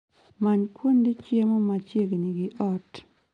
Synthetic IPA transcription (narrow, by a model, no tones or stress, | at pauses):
maɲkwondit͡ʃjemomat͡ʃjeɡniɡɪʔɔt